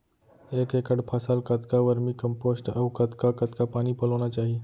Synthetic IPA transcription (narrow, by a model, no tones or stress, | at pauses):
ekekəɽpʰasalkət̪kaʋəɾmiːkəmposʈəʋkət̪kakət̪kapaɽ̃iːpələʋɳ̃at͡ʃaɦi